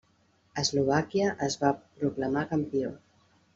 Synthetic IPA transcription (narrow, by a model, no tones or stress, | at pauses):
əzluβ̞akiəʔəzβapɾukləmakəmpio